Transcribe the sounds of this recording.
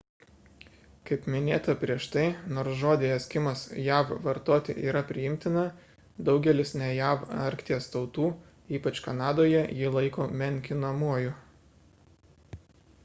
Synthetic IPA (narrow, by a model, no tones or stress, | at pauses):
kɐɪpmʲɪnʲeːt̪ɐpʲɾʲiɛʃt̪ɐɪnoːɾsʒoːd̪ʲɪɛsʲkʲɪmɐsjæːʋʋɐɾt̪oːt̪ʲɪ̰ʔiːɾɐpʲɾʲɪjɪmʲt̪ʲɪnɐ | d̪ɒʊɡʲɛlʲɪsnʲɛjæːʋɐɾʲkt̪ʲiɛst̪ɒʊt̪uː | iːpɐt͡ʃkɐnɑːd̪oːjɛjɪlˠɐɪkoːmʲɛŋʲkʲɪnɐmuɔjʊ